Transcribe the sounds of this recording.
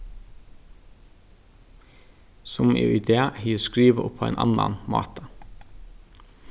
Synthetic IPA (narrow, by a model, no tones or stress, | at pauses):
sɔmʔḛːʔɪd̪eːhiːskɹiːʋəʔʊpʰoːḛːnʔɑ̰nɑ̰nmɑ̰ːt̪ʰɑ